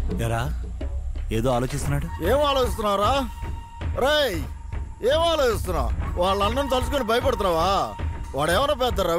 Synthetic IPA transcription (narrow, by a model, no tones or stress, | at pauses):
ɛɾaː | eːd̪oːaːloːt͡ʃist̪unːaːɽueːmaːloːt͡ʃis̬t̪unːaːʋɾaː | ɾe | eːmaːloːt͡ʃist̪unːa̰ːʋaːɭːɐndɐnit̪ɐlus̬ukonibɐjɐpɐɽt̪unːaːʋaːʋaːɭɛːʋɐnɐp̬ɛːt̪̬ːɐɾaː